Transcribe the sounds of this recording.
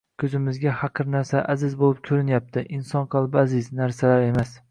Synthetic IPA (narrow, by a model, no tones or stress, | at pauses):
kʲʰɵzɪmɪzɡʲahɑqʰɨɾnaɾsaʔazɪzbolˠɪp̚kʲʰɵɾɪnjap̚t̪ʰɪʔɪnsɒnqʰɑlˠbɪazɪznaɾsalaɾe̞mas